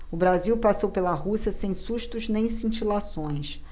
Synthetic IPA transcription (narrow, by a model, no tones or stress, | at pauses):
ʊbɾaziwpasowpelɐɦusiɐsẽj̃suʃt̪ʊznẽj̃sĩnt͡ʃilasõj̃s